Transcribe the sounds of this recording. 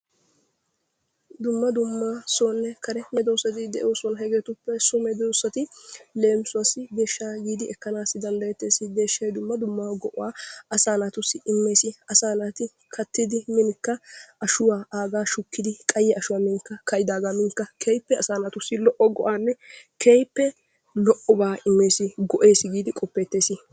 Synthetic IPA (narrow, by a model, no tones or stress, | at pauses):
d̪ʊmːɐd̪ʊmːaːsoːnːɛkɐɾɛmɛd̪owsɐt̪ɪd̪ɛʔoːsɔnɐɦɛɡeːt̪ʊpːɛsʊmɛd̪ɔwsɐt̪ɪle̞ːmsʊwɐsɪb̪e̞ːʃːaːɡiːd̪ɪɛkːɐnaːsːɪd̪ɐnd̪ɐjɛt̪ːe̞ːsɪbe̞ːʃːɐjd̪ʊmːɐd̪ʊmːaɡɔʔɔwaːʔɐsaːnat̪ʊsːɪʔɪmːe̞ːsɪɐsaːnaːt̪ɪ | kʰɐt̪ːɪd̪ɪmɪnɪkːɐʔɐʃʊwaaːɡaːʃʊkːɪd̪ɪkʼɐjːɛʔɐʃʊwaːmɪnkːɐkɐjɪd̪aːɡaːmɪŋkːɐkʰejpːɛɐsaːnat̪ʊsːɪlɔʔɔɡɔʔaːnːɛkʰejpːɛ | lɔʔɔbaːɪmːe̞ːsɪɡɔʔe̞ːsɪɡiːd̪ɪkʼɔpːeːt̪ːe̞ːsɪ